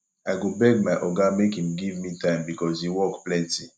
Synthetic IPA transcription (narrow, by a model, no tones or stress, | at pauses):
aɪɡobɛɡ̚maɪʔɔɡamekhĩmɡivmitãɪ̃mbikɔzhiwɔkplɛ̃nti